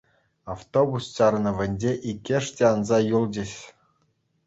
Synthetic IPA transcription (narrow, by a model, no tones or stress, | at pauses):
aft̪obust͡ɕɑrnɤ̆ʋʲɘ̆nʲd͡ʑʲeʔikʲːĕʂtʲeɑnzɑjulˠd͡ʑʲɘ̆ɕʲ